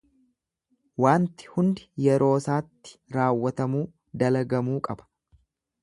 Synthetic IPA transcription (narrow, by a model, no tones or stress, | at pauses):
waːnt̪ɪ̥hʊnd̪ɪjɛɾo̞ːsaːt̪ːɪ̥ɾaːwːɐt̪ɐmuː | d̪ɐlɐɡɐmuːkʼɐbɐ̥